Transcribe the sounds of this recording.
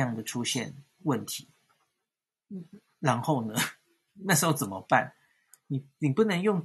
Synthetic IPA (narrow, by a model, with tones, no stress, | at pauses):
jɑ˥˩ŋd̪ə˩ʈ͡ʂʰu˥ɕjɛ̰˥˨n | wə˥˩nt̪ʰi˨˦ | ɻa˧˥nxo˥˩ʊnə˦ | na˥˩ʂɻ̩˧˥xo˧ʊt͡sə˨˩nmə˦pa̰˥˩n | ni˨˩ni˨˩pu˥˩nə˧˥ŋjʊ˥˩ŋ